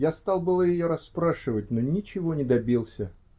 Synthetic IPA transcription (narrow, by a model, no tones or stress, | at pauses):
jast̪ɑlˠbɨlˠəjɪjoɾɐsːpɾaʂɨvət̚ʲnonʲɪt͡ɕɪvo̞nʲɪd̪ɐbʲilˠsʲə